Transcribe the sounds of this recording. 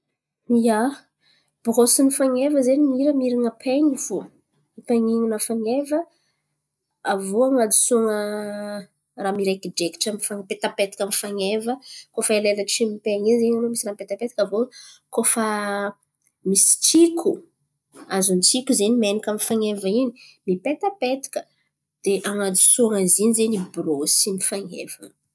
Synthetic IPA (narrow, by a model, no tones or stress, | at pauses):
ia | b̥ʁosinifaŋevəzenimiɾəmiɾiŋəpʰeɲiv̥u | ipaɲiŋinəfaŋevə | avoaŋad̪i̥suŋə | raːmiɾekid͡ʒeki̥ʈ͡ʂamifaŋpet̪apet̪i̥kʲamifaŋevəkofəelelḁt͡ʃimipeaŋizenalomisiramipet̪apet̪i̥kʲavokofə | misi̥t͡sikʰu | azunt͡sikʲuzenimenikʲamifaŋevəinimipet̪əpet̪i̥kʲə̥ | d̪̥eʔaŋad͡zusuŋazinizenibɾosimifaŋḛv̥ə̰